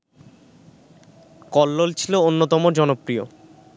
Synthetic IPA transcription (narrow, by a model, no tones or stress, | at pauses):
kɔlːolt͡ɕʰiloonːot̪ɔmod͡ʑɔnopɾio